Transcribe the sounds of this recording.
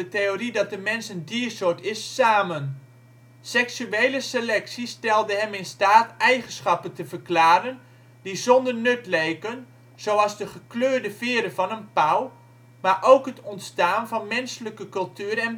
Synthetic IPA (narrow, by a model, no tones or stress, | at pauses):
əteoridɑt̚dəmɛnsəndiəsʊtɪsːaːmən | sɛksyeːləselɛksistɛlˠdəɦɛmɪnstaːtɛjχənsχɑpəntəvərklaːɾən | dizɔndərnøtlejkən | z̥owɑlˠzdəχəkløːdəvɪːɾəvɑnənpaw | maɹʔowkɦətɔntstaːnvɑnmɛnsələkəkɵlˠtyːərɛn